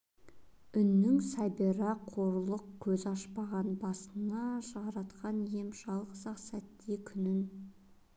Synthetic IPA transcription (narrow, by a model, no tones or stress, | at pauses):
ʏnːɪŋsɑbeɾɑqʰo̞ɾlˠəq̚kʲʰɵzɑʃpɑʁɑnbɑsənɑʒɑɾɑt̪qɑnje̞mʒɑlˠqəzɑqsæt̪ːekʲʰʏnɪn